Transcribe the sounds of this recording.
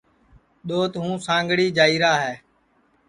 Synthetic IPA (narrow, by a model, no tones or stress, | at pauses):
ɗ̪oːt̪ɦũːsãːŋɡɽiːd͡ʒaːiːɾaːɦɛː